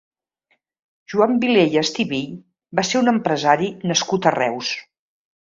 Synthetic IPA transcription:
ʒ̥uambilejəst̪iβiʎ | baseɾunəmpɾəzaɾinəskut̪ərɛ̰ws

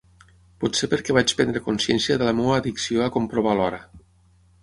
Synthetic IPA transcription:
pusepəɾkɛβat͡ʃpɛnd̪ɾəkunsjɛnsiəðələmowaːðiksioakompɾoβ̞alɔɾə

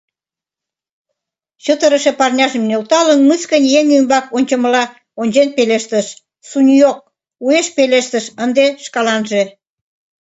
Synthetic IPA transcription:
ɕət̪əɾəʃepɑrnʲɑʒĕmnelt̪ɑlənmɨskənʲjeŋymbɑkonʲt͡ɕə̆məlɑ | onʲd͡ʑenpeleʃt̪əʃ | sunʲjok̚ | ueʃpeleʃt̪ə̆ʃənd̪eʃkɑlɑnʒe

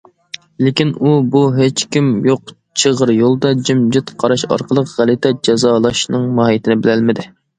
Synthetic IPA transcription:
lɪkʲinubuɦet͡ʃkʲimjoq | t͡ʃʰəʁəɾjolˠd̪ɑd͡ʒimd͡ʒɪt̪qʰɑɾɑʃɑ̰ɾqʰəlˠəqʁælɪt̪ʰɛd͡ʒɛzɑːlˠɑʃnɨŋmɑːhijt̪ʰɪnɪbɪlælmɪd̪ɪ

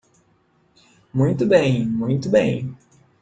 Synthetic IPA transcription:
mũj̃t̪ʊbẽj̃mũj̃t̪ʊbḛ̃j̃

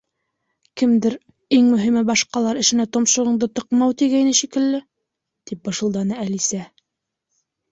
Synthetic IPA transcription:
kɘ̆md̪ɘɾ | iŋmɵ̆ɦimɘbɑʃqɑlˠɑɾɘ̆ʃɘ̆næt̪ŏmʃɤ̆ʁɤ̆ɴd̪ɤt̪ɤ̆qmɑwt̪iɡæjnɘʃikɘ̆lːɘ | t̪ip̚bɤ̆ʃɤ̆lˠd̪ɑnɤælisæ

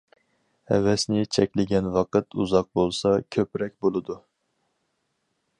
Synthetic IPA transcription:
hɛ̰vɛsnɪt͡ʃʰɛkʲlɪɡʲɛnwɑqɨt̪ʰuzɑq̚bolˠsɑkʲʰøpɾɛk̚ʲbolˠɨd̪u

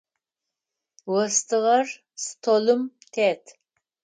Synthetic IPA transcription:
wəst̪ɨʁɑr | st̪ʰolɨm | t̪ʰet̪

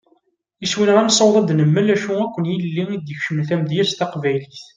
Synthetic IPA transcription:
iswinʁænsˤəwðˤɑd̪nəmːəlæʃuækʷːənjəlːiid̪jəçʃəmθæmd̪jæst̪ɑqvæjliθ

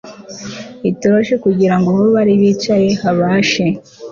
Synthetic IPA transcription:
itoɾoʃekuɟiɾaŋɡoβoβaɾiβiːt͡ʃaje̞haβaːʃe̞

